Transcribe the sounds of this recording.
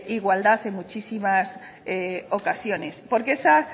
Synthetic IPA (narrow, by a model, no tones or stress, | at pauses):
iɣwald̪aθe̞ŋmut͡ʃisimas | eo̞kasjo̞ne̞spo̞ɾkesa